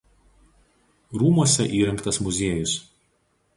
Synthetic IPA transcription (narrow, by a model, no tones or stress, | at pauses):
ɾuːmuɔsʲɛʔiːɾʲɪŋkt̪ɐsmʊzʲeɛjʊs